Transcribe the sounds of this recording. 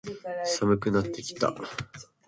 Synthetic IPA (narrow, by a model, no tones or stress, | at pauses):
samɯ̟kɯ̟nat̪ːe̞kʲi̥t̪a̰